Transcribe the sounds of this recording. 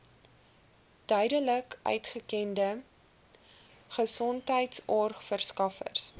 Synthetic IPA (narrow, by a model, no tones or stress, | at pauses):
d̥œɥdələkʔœ̰ɥtχəkɛndə | χəsɔntɦəjtsɔrχfərskɐfə̰rs